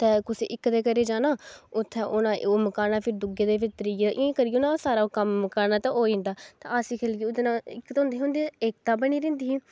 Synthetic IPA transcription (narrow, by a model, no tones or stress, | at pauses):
t̪ɛːkʊsḛːʔɪkːd̪eːkəɾeːd͡ʒaːnaːʊt̪ʰːɛːʔʊnãːməkaːnaːpʰɪɾd̪ʊɡeːd̪eːbɪt̪əɾiːɛʔẽkəɾiːʊnãːsaːɾaːkəmkaːɾnaːt̪ɛʔoːẽːnd̪aːt̪a̰asiːkʰeːlkiːʊt̪ːnãːɪkt̪ːɦʊ̃ːnd̪eːɦʊ̃nd̪eeːk̚t̪aːbəniːɾɛ̃ːnd̪iːɦː